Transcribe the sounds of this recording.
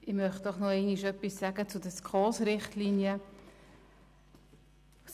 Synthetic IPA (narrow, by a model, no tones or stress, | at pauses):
ɪmœχt̚d̥ɔχnɔɛɪniʃœpːisːæɡət͡sudəskʰɔːsɾɪχtlinjə